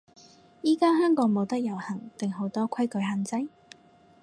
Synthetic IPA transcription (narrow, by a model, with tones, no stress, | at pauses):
jiː˥kaː˥ɦœː˥ŋkɔː˨˥ŋmo˨˧wt̪ɐ˥k̚jɐ˨˩whɐ˨˩ŋt̪ɪ˨ŋɦo˨˥wt̪ɔː˥kʰɐ˥jkɵ˨˥jɦaː˨˧nt͡sɐ˥j